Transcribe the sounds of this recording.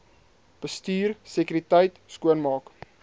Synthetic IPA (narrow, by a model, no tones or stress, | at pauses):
b̥əstyːrsəkyɾitəjtskuənmɑːk